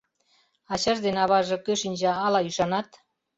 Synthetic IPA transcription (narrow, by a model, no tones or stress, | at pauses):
ɑt͡ɕɑʒd̪enɑβɑʒɤ̆køʃinʲʑɑɑlɑyʃɑnɑt̪